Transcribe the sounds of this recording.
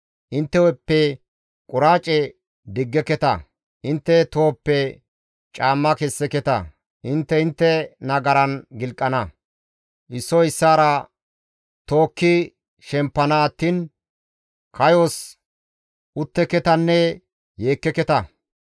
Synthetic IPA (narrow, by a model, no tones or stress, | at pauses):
ʔɪnt̪ːɛwɔpːɛ | kʼʊɾaːt͡ʃʼɛ | d̪ɪɡːɛkɛt̪ɐ | ʔɪnt̪ːɛt̪o̞ːpːɛ | t͡ʃʼaːmːɐkɛsːɛkɛt̪ɐ̰ | ʔɪnt̪ːɛɪnt̪ːɛnɐɡɐɾɐnɡɪlkʼːɐnɐ | ʔɪsːɔɪsːaːɾɐ | t̪oːkːɪ | ʃɛmpːɐnat̪ːiːn | kʰɐjos | ʔʊt̪ːɛkɛt̪ɐnːɛ | je̞ːkːɛkɛt̪ɐ